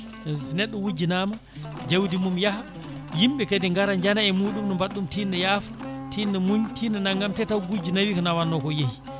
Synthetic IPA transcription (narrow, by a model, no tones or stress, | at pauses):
sinɛɗːɔwud͡ʒinama | d͡ʒewdimumjaha | jimɓɛkediŋɡaɾaɲd͡ʒanaɛmuːɗumnɔmbaɗːumtinːɛjaːfatinːɛmuɲtinɛnaŋɡamtɛtawɡud͡ʒinawikɔnawanːɔkɔjehi